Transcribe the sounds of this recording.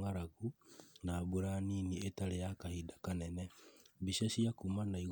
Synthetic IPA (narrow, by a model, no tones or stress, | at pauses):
ŋaɾaɣunaːbuɾaniːnietaɾejakahidakanɛnɛbiʃasiakumanaiɣ